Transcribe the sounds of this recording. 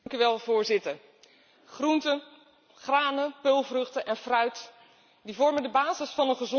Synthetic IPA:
ŋkyʋɛlˠvʊːɹzɪtəɹ | χruntə | χraːnəpølˠvrɵχtəʔɛnfrœɥt | divɔɹməndəbaːzəsfɑnənχəzɔ

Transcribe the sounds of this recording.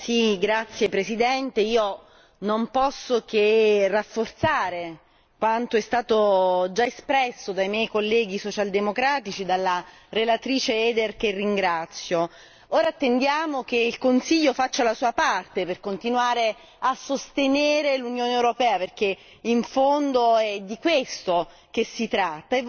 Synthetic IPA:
siɡɾat̪sːjepɾesid̪ɛnt̪eiːo | nompɔsːokerafːort̪saːɾe | kwant̪oɛst̪aːt̪od͡ʒaespɾɛsːod̪ajmjɛjkolːɛːɡisot͡ʃald̪emokɾaːt̪it͡ʃid̪alːa | relat̪ɾiːt͡ʃeɛːd̪erk̟erːiŋɡɾat̪sːjo | oːɾat̪ːend̪jaːmok̟eilkonsiʎːofat͡ʃːalasuːapart̪eperkont̪inwaːɾe | asːost̪eneːɾelunjoːneewɾopɛːaperk̟e | iɱfond̪oɛd̪ːikwest̪o | k̟esːit̪ɾat̪ːae

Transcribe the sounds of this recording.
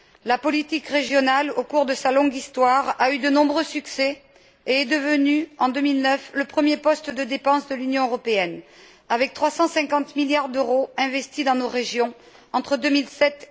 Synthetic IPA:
lapɔlit̪ikʁeʒjɔnalokuʁd̪əsalɔ̃ɡist̪waʁayd̪ənɔ̃bʁøsyksɛ | eɛd̪əvənyɑ̃d̪ømilnœfləpχəmjepɔst̪d̪əd̪epɑ̃sd̪əlynjɔ̃øʁɔpeɛn | avɛk̚t̪χwasɑ̃sɛ̃kɑ̃t̪miljaʁd̪øʁoɛ̃vɛst̪id̪ɑ̃noʁeʒjɔ̃ | ɑ̃t̪χəd̪ømilsɛt̪

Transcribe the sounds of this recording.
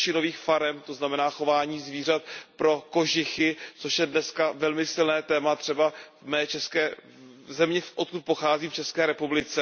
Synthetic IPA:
t͡ʃɪno̞viːxfaɾɛmt̪oznamɛnaːxo̞vaːɲiːzviːr̝at̪pɾo̞ko̞ʒɪxɪt͡soʃjɛdnɛskavɛlmɪsɪlnɛːt̪ɛːmat̪r̝̥ɛbavmɛːt͡ʃɛskɛː | zɛmɲɛfʔot̪̚kut̪̚po̞xaːziːft͡ʃɛskɛːɾɛpublɪt͡sɛ

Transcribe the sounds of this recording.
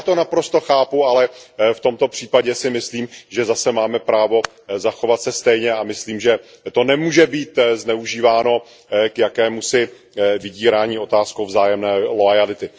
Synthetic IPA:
t̪o̞napɾo̞st̪o̞xaːpualɛft̪o̞mt̪o̞pr̥iːpaɟɛsɪmɪsliːmʒɛzasɛmaːmɛpɾaːvo̞ | zaxo̞vat̪sɛst̪ɛjɲɛamɪsliːmʒɛ | t̪o̞nɛmuːʒɛbiːt̪znɛuʒiːvaːno̞ | kjakɛːmusɪ | vɪɟiːɾaːɲiːo̞t̪aːskowvzaːjɛmnɛːloajalɪt̪ɪ

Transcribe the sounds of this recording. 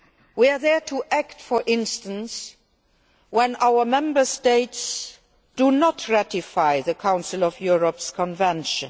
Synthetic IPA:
wia˞ðɛ˞tʰuʔæktfɔ˞ʔɪ̃nstə̃ns | wɛ̃naʊə˞mɛ̃mbə˞steɪts | d̥unɔtʰɹatifaɪðəkʰãʊ̃nsɪlɔvjuɹəpskʰɔ̃nvɛ̃nʃə̃n

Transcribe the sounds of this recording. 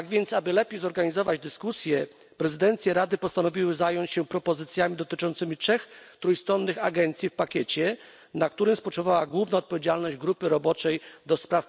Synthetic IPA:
aɡvʲjɛnt̪sabɘlɛpʲjejzɔɾɡaɲizɔvad͡ʑd̪ɘskusʲjɛ | pɾɛzɘd̪ɛnt̪sʲjɛɾad̪ɘpɔst̪anɔvʲiwɘzajɔɲt͡ɕɕɛpɾɔpɔzɘt̪sʲjamʲid̪ɔt̪ɘt͡ʂɔnt̪sɘmʲitʂɛxt̪ɾujst̪ɾɔnːɘxaɡɛnt̪sʲjifpakʲɛt͡ɕɛ | nak̚t̪uɾɘmspɔt͡ʂɛvawaɡwuvnaɔt̪pɔvʲjed͡ʑalnɔʑd͡ʑɡɾupɘɾɔbɔt͡ʂɛjd̪ɔspɾaf

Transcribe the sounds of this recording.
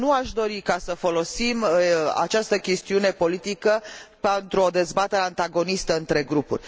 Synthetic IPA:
nuaʃd̪o̞ɾikasəfo̞lo̞sima̰t͡ʃast̪əkʲe̞st̪iune̞po̞lit̪ikəpent̪ɾuo̞d̪e̞zbat̪e̞ɾeant̪aɡo̞nist̪əɨnt̪ɾe̞ɡɾupṵrʲ

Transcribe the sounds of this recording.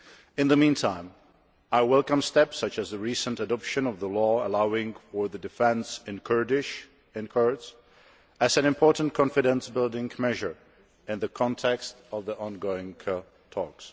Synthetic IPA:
ɨ̃nðəmĩntʰãɪ̃m | aɪwɛlˠkə̃mstɛpsʌt͡ʃɨzðɨɹisə̃ntɨdɑpʃɨ̃nʌvðəlɔəlaʊɪ̃ŋfə˞ðɨdɨfɛ̃nsɨ̃nkʰɜ˞dɪʃ | ɨ̃nkʰɜ˞ds | ɨzɨ̃nɨ̃mpʰɔɹʔn̩kʰɑ̃nfɨɾɨ̃nsbɪlˠdɪ̃ŋmɛʒə˞ | ɨ̃nðɨkʰɑ̃ntʰɛkstʌvðiʔɑ̃nɡoʊɪ̃ŋʰə | tʰɔks

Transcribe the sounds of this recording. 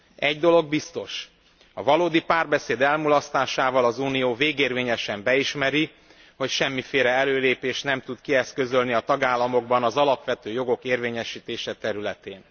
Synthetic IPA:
ɛɟd̪o̞lo̞ɡ̚bist̪o̞ʃ | ɒvɒloːd̪ipaːrbɛseːd̪ɛlmulɒst̪aːʃaːvɒlɒzuːnijoːveːɡeːrveːɲɛʃɛmbɛiʃmɛɾi | ho̞cʃɛmːifeːɾɛɛløːleːpeːʃt̪nɛmt̪ut̪kiɛskø̞zølniɒt̪ɒɡaːlːɒmo̞ɡbɒnɒzɒlɒpʋɛt̪øːjo̞ɡo̞keːrveːɲɛʃiːt̪eːʃɛt̪ɛɾylɛt̪eːn

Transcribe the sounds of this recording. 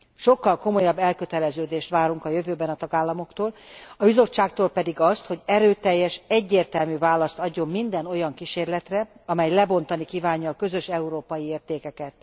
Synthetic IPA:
ʃo̞kːɒlko̞mo̞jɒbːɛlkø̞t̪ɛlɛzøːd̪eːʃt̪ʋaːɾuŋkɒjøvøːbɛnɒt̪ɒɡaːlːɒmo̞kt̪oːlɒbizo̞t͡ʃːaːkt̪oːlpɛd̪iɡɒst̪ho̞ɟɛɾøːt̪ɛjːɛʃɛɟːeːrt̪ɛlmyːvaːlɒst̪ɒɟːo̞mmind̪ɛno̞jɒŋkiʃeːrlɛt̪rɛɒmɛjlɛbo̞nt̪ɒnikiːvaːɲːɒːkø̞zø̞ʃɛuɾoːpɒjieːrt̪eːkɛkɛt̪

